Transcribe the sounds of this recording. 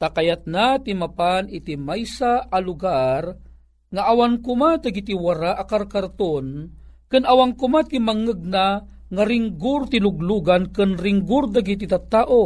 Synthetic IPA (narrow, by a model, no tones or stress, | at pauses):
t̪akajat̪̚nat̪imapanit̪imajsaʔːlʊɡar | ŋaʔawankʊmad̪aɡit̪iwaɾaʔakaɾkaɾt̪onkɨnawaŋkʊmat̪imaŋəɡ̚naŋaɾɪŋɡʊrt̪ilʊɡluɡankɨnɾɪŋɡʊɾd̪aɡit̪̬it̪at̪aːʔo